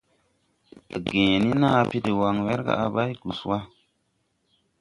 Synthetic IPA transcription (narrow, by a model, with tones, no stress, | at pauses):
ɡẽː˨ni˦na˦˨pi˦di˨wa˨ŋwe˦ɾɡa̰˨a˨ba˦jɡ̥u˨swa˦